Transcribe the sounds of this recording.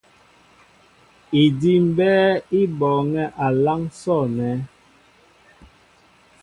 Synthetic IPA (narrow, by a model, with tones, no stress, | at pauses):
i˨di˦m̩˦bɛː˦i˦bɔː˨ŋɛ˦ʔa˨la˦ŋsɔ˦˨nɛ˨˦